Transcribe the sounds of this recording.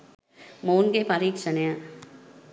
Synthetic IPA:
moːnɡepaːɾiːksənja

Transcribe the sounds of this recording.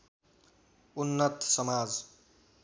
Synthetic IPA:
unːʌt̪sʌmad͡z

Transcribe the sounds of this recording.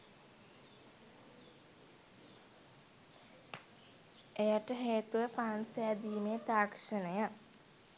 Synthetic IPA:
ejaʈəɦeːt̪uʋəpaːnsejad̪iːmeːt̪aːkʂənəja

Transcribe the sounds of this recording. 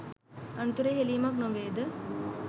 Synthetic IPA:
ɐnt̪uɾeːɦelijmaknoʋeːd̪ə

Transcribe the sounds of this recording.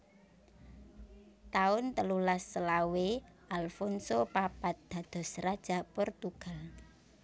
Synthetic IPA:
t̪aʊnt̪əlulasːəlawe | ʔalfɔnsopapat̪̚d̪̥a̤d̪̥ɔ̤srad̥ʒ̥a̤pʊrt̪uɡ̥a̤l

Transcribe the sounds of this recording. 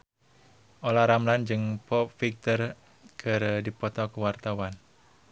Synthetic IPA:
ʔolaɾamland͡ʒɨŋpɔp̚fik̚t̪ər | kəɾədipɔt̪ɔkəwart̪awan

